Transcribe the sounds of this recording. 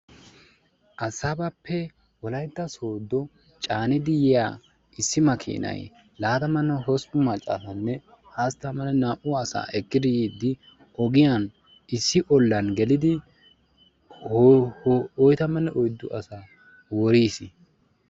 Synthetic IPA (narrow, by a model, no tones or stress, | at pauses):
ʔɐsabɐpʰːɛ | wɔlɐjd̪ːɐso̞ːd̪ːɔ | t͡ʃʼaːnɪd̪ɪjɛja | ɪsːɪmɐkʰḭːnɐ̰j | laːt̪ɐmɐnːɐɦɔspʊmɐt͡ʃʼːa̰sɐnːɛ | haːst̪ːɐmːɐnɛnaːʔʊɐsa̰ːʔɛkːɪd̪ɪjiːd̪ːɪ | ʔɔɡɪjan | ɪsːɪʔɔlːɐnɡɛlɪd̪ɪ | ɔjt̪ɐmːɐnːɛʔɔjd̪ːʊʔɐsa | wɔɾiːsɪ